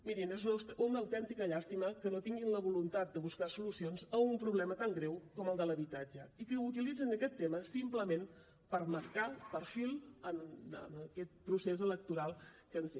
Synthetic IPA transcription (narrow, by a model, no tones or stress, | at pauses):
miɾinezunəsunəwt̪ɛnt̪ikəʎast̪iməkənot̪iŋɡinləβulunt̪at̪̚d̪əβuskasulusionzəumpɾuβlɛmət̪aŋɡɾɛwkɔməlˠd̪ələβit̪ad͡ʒəikəut̪ilid͡zənəkɛt̪ːeməsimpləmen | pəɾməɾkapəɾfilˠənə̰nəkɛt̪̚pɾusezələk̚t̪uɾalˠkənze